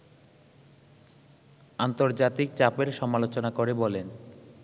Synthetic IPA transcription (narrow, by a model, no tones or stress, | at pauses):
ant̪oɾd͡ʑat̪ik̚t͡ɕapeɾʃɔmalot͡ɕonakoɾebɔlen